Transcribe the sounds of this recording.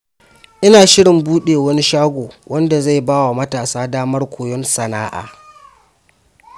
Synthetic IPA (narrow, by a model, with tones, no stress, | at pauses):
ʔɪ˦naː˨ʃɪ˦ɽɪ˨mbuː˦ɗeː˨wɐ˦ni˦ʃaː˦ɡʷoː˨wʔɐ˦nda˨za˦˨jbaː˦wa˨mɐ˦taː˨saː˦daː˦mɐ˦rkʷoː˨jɔ˦nsɐ˨naː˦ʔa̰ː˨